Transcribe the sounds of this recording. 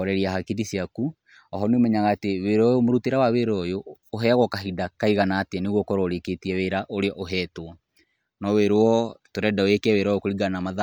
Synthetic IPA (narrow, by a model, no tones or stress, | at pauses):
ɔɾɛɾiaɦakidisjaku | ɔɦɔnomɛɲaɣaːteweɾɔjomoɾuteɾawaweɾɔjoː | ɦɛaɣɔkaɦidakaiɣanaːteaneɣɔkɔɾoɾeketiɛweɾaʔoɾeɔʔoɦɛːto | nɔweɾoɔtoɾɛdaoekɛweɾɔjokoɾiɡanamaða